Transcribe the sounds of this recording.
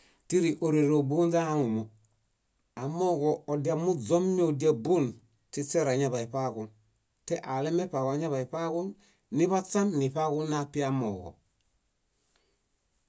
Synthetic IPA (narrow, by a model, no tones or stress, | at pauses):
tiɾiʔoɾeɾobunzahaŋumo | amoɡoodiamuzomniodiabun | tiseɾaɲabaipakun | teʔalemepakoaɲaβaipakun | niβasanːipakunːapiamo̰ko̰